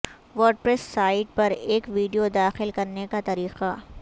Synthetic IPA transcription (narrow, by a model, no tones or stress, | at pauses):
ʋoːɾɖ̚pɾɛsːaːɪʈ̚pɐɾeːkʋiːɖijod̪aːxɪlkɐɾnekat̪ɐɾiːqa